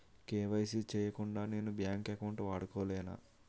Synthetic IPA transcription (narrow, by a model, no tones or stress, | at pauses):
keːʋɐjsit͡ʃɛːjɐkuɳɖaːneːnubjaːŋkekɐwɳʈʋaːɽukoːlɛːna̰ː